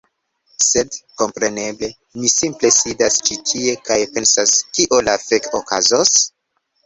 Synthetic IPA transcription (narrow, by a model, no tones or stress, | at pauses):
se̞dko̞mpɾe̞ne̞ble̞ | misimple̞sidast͡ʃitʰie̞kajpe̞nsaskiʔo̞lafekokazos